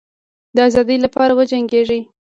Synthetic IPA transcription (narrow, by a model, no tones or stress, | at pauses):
d̪əazɑd̪əjlapɑɾawəd͡ʒaŋɡeʐi